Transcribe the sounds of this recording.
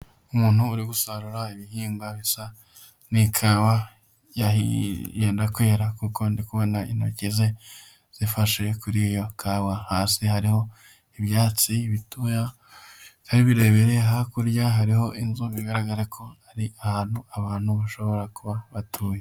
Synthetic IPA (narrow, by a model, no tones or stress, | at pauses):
umuːn̥huːɾiɡusaɾuɾaiβihiːmbaβisa | nikʰaːwa | jaijeːndakweːɾakuko̞ndikuβo̞naḭno̰ceze̞ | z̥ifaʃekuɾijo̞kʰaːwahaːsihaɾiho̞ | iβjaːt͡siβituja | kaɾiβiɾe̞βeɾeɦakuɾjaɦaɾiho̞ʔinzuβiɡaɾaɡaɾekʰo̞haɾiahaːn̥huaβaːn̥huβaʃo̞βo̞ɾakuβaβatʰuːje